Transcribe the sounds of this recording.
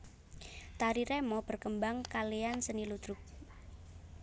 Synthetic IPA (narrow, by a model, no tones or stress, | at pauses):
t̪aɾiɾɛmɔb̥ərkəmbaŋkaleansənilud̪ɾʊk̚